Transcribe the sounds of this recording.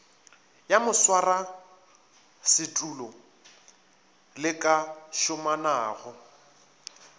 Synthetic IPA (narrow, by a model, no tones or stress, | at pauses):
jamʊswara | sɪtʼulɔ | lɪkʼaʃʊmanaːɣɔ